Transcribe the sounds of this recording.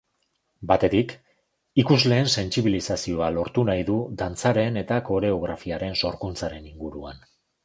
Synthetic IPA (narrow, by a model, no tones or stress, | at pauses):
bat̪e̞t̪ik | ikuzle̞ːnse̞nsiβ̞ilisasio̞alo̞ɾt̪unajðud̪ant͡saɾe̞ne̞t̪ako̞ɾe̞o̞ɣ̞ɾafiaɾe̞nso̞ɾkunt͡saɾe̞niŋɡuɾua̰n